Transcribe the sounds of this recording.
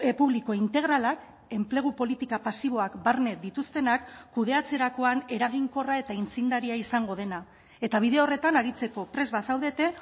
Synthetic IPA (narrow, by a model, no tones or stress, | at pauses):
epuβliko̞int̪e̞ɣ̞ɾalak | e̞mple̞ɣ̞upo̞lit̪ikapasiβ̞o̞akbarne̞d̪it̪ust̪e̞nakːuð̞e̞at͡se̞ɾako̞ane̞ɾaɣ̞iŋko̞rae̞t̪aint͡sind̪aɾiaisaŋɡo̞ð̞e̞na | e̞t̪aβ̞iðeo̞re̞t̪anaɾit͡se̞ko̞pɾe̞zβasawðe̞t̪e̞